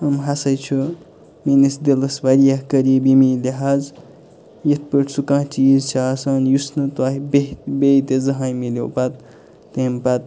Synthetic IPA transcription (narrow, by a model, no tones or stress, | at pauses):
ɐmɦasɐjt͡ʃʰu | minisd̪elɐsbaɾijakəɾibimileɦaz | jet̪̚ʰpəʈsukãːt͡ʃizt͡ʃʰasanjusnɨt̪waɦibebeit̪ezɐɦãjmilowpat̪̚ː | empat̪̚